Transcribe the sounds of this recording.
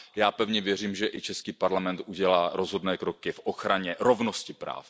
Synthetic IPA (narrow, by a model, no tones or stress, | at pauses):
jaːpɛvɲɛvjɛr̝iːmʒɛʔɪt͡ʃɛskiːpaɾlamɛnt̪ʔuɟɛlaːɾo̞zɦo̞dnɛːkɾo̞kɪfʔo̞xɾaɲɛɾo̞vno̞scɪpɾa̰ːf